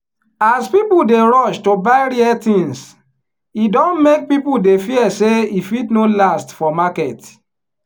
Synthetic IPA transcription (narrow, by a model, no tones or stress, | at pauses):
aspipudeɾɔʃtobaɪɾiɛtĩns | idɔ̃nmek̚pipuldefiɛseifitnolastfɔmakɛt